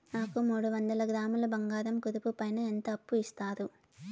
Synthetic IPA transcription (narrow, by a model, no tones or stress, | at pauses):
naːkumuːɽuʋɐnd̪ɐlɐɡɾaːmulɐbɐŋɡaːɾɐmkuɾupupɐjnɐent̪ɐːpːuist̪aːɾu